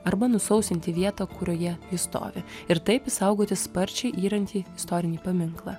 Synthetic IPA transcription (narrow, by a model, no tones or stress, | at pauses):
ɐɾbɐnʊsɐʊsʲɪnʲt̪ʲɪʋʲiɛt̪oːkʊɾʲoːjɛʋʲɪst̪o̰ːʋʲɪɪɾt̪ɐɪpɪsɐʊɡoːt̪ʲɪspɐɾʲt͡ʃʲɛɪʔiːɾɐnʲt̪ʲiːɪst̪ɔːɾʲɪnʲiːpɐmʲɪŋklˠɐ̰ː